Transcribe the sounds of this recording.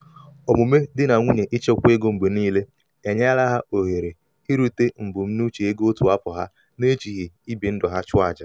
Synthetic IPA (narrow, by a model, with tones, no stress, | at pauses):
ɔ˨mu˨me˦dɪ˦na˨ŋʷu˦ɲe˨ʔi˦t͡ʃe˦˨kʷe˦ɡo˦m̩˨ɡ͡be˨niː˦le˦ | e˨ɲa˦la˦ɦa˦o˨ɦe˨ɾe˨ | hi˦ɾu˦te˦m̩˨bʊ˨m̩˦nu˦t͡ʃe˨e˦ɡo˦tu˨a˦pʊ˨ɦa˦ | ne˦t͡ʃi˨ɣi˨i˦bi˨n̩˦dɔ˨ɦa˦t͡ʃʊ˦a˨d͡ʒa˨